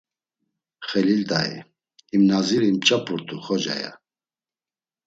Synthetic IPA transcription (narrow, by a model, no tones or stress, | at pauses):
χɛlilt̪ʼaḭ | imnaziɾimt͡ʃʼapʰʼuɾt̪ʰʼuχɔd͡ʒa̰ja̰